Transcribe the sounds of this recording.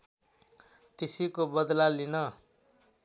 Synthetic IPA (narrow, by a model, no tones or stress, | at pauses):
k̪esikobʌd̪lalinʌ